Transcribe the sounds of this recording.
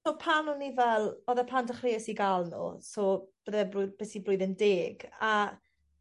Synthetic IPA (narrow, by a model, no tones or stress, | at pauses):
soːpʰaːnənivɛlˠɔðɛpʰandəχreːəsiɡalˠnṵːsoːb̥əðɛbrʊb̥eːsiblʊɨðəndeːɡa